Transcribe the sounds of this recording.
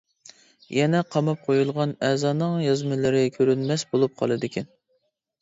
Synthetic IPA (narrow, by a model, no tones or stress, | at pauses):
jɛnɛqʰɑmɑp̚qʰojulˠʁɑnɛzɑːnɨŋjɑzmɪlɨɾɪkʲʰøɾynmɛsbolˠup̚qʰɑ̰lˠɨd̪ɪkʲʰɛn